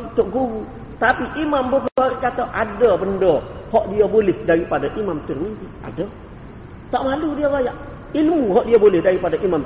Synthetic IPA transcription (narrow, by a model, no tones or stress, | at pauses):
t̪ʊʔ̚ɡuɣu | t̪apiʔimambəɦərkat̪aʔadabəndəhɔʔdiabolɪhdaɾipadaʔimamt̪ərmidia̰də | t̪aʔmaludiabajaʔ | ilmuɦɔʔdiabolɛhdaɾipadaʔimam